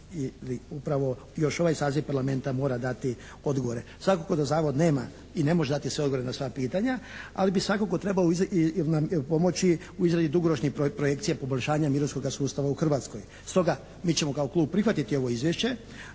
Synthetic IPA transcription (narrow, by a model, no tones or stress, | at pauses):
iliupɾaʋo̞ | jo̞ʃo̞ʋajsaːziʋpaɾlame̞nt̪amo̞ːɾad̪at̪i | o̞d̪ɡoʋoɾesʋakoko̞d̪azaːʋo̞d̪ne̞ːma̰ | ine̞moʒed̪at̪isʋeo̞dɡoʋoɾenasʋapiːt̪aɲaa̰libisʋakoko̞t̪ɾe̞baoiznapo̞mo̞t͡ɕi | uizɾad̪id̪uɡo̞ɾot͡ʃniɾpɾo̞je̞kt̪sijapo̞boʎʲʃaːɲamiɾonsko̞ɡasuːst̪aʋauxr̩ʋat̪sko̞j | st̪o̞ɡa | miːt͡ɕe̞mokaoklˠuːb̚pːɾixʋat̪it̪io̞ʋo̞izʋjeʃt͡ɕe̞